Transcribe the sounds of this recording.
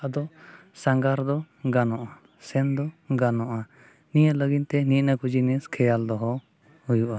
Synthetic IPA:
ad̪ɔ | saŋɡaɾd̪ɔ | ɡanɔʔa | sɛnd̪ɔɡanɔʔa | nijaləɡint̪ɛniˀnakɔd͡ʒinɛskʰɛjald̪ɔɦɔ | hujuʔa

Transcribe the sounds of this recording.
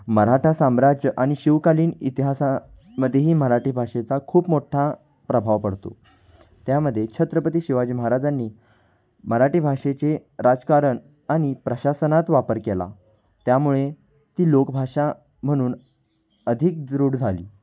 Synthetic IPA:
məɾaʈʰasamɾad͡ʑʔaɽ̃iɕiʋkaliːnit̪iɦasa | məd̪ʱːjeɦiːməɾaʈʰiːbʱaʂet͡sakʰuːpmoʈʰa | pɾəbʱaʋpəɽt̪o̰ | t̪jaməd̪ʱːjet͡ɕʰət̪ɾəpət̪̬iːɕiʋad͡ʑiːməɦaɾad͡zanːiː | məɾaʈibʱaʂet͡ɕeɾad͡zkaɾəɳ | aɽ̃ipɾəɕasənat̪ʋapəɾkela̰ | t̪jamuɭe | t̪iːlokbʱaʂa | m̤əɽ̃uːn | əd̪ʱik̚d̪ɾuːɽd͡zʱalḭː

